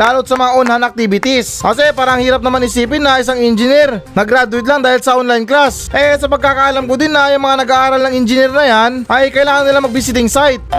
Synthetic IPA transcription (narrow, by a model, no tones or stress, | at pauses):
laːlot̪̚sɐmɐŋaʔonhanɐk̚t̪iːbɪt̪ɪsʔɐsɛpaːɾɐʔɐŋhiːɾɐp̚nɐmanɪsiːpɪnːɐɪs̬aŋɪnd͡ʒɪnɛɾnɐɡɾad̪ʊwɪt̪laŋd̪aːhɪlsɐʔonlajnklasʔɛsɐpɐɡ̚kaːkaʔɐlamkʊd̪ɪnːɐjɐŋmɐŋanɐɡaːʔaːɾɐlnɐŋɪnd͡ʒɪnɛɾnɐjanʔɐjkɐʔɪlaːŋɐnnɪlamɐɡ̚bɪs̬ɪt̪̬ɪŋsajt̪̚